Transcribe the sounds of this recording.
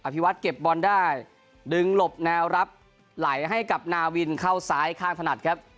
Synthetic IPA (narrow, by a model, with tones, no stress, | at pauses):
ʔa˧pʰi˦˥wa˦˥t̪̚ke˨˩p̚bɔː˧ndaː˥˩j | dɯ˧ŋlo˨˩p̚nɛː˦˥wɾa˦˥p̚ | la˩˦jɦa˥˩jka˨˩p̚naː˧wi˧nkʰa˥˩wsaː˦˥jkʰaː˥˩ŋt̪ʰna˨˩t̪̚kʰɾa˦˥p̚